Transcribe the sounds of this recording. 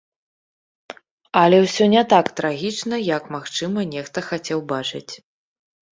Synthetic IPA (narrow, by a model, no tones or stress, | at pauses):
ɐlʲɛwsʲɔnʲɛt̪akt̪ɾaɣʲit͡ʂnɐjɐkmaxt͡ʂɨmɐnʲɛxt̪ɐxat͡sʲɛwbat͡ʂɨt͡sʲ